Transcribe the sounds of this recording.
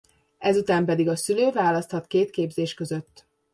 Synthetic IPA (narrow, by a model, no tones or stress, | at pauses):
ɛzut̪aːmpɛd̪iɡɒsyløːvaːlɒst̪hɒt̪keːt̪keːbzeːʃkø̞zø̞t̪ː